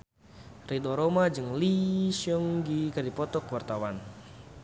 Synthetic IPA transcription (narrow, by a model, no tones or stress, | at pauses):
ridoɾomad͡ʒɨŋlisɔŋɡikadipɔt̪ɔkwart̪awan